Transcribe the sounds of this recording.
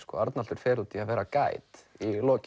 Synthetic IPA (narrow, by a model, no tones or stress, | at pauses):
skɔ̰aɾt̪nalt̪ʏɾ̥fɛːɾut̪iaðvɛːɾakaːjt̪ilɔːc